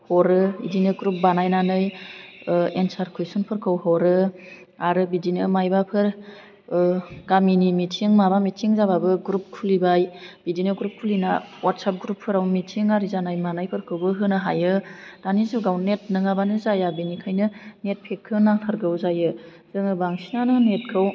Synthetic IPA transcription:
hɔɾɯḭdinɯɡɾup̚banajnanɯj | ensaɾkʰujsunpʰɯɾkʰɯwhɔɾɯ | aɾɯbidinɯmajbapʰɯɾ | ɡaminimitʰiŋmabamitʰiŋzaβabɯɡɾup̚kʰulibajb̥idinɯɡɾup̚kʰulinawatsap̚ɡɾupʰːɯɾawmitʰiŋaɾizanajmanajpʰɯɾkʰɯwbɯɦɯnɯɦajɯd̥anizuɡawnet̚nɯŋabanɯzajabinikʰajnɯnet̚pʰekʰːɯnaŋtʰɯɾɡɯwzajɯ | z̥ɯŋɯbaŋsinanɯnet̚kʰɯw

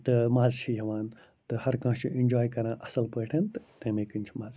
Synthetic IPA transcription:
t̪ɨmaːzt͡ʃʰijɐʋaːn | t̪ɨhɐɾkãːʃʰiʔenʲd͡ʒaːjkɐɾãːʔɐsɐlpəːʈʰɐnt̪ɨt̪ẽːmeːkɨnʲt͡ʃʰimaːz

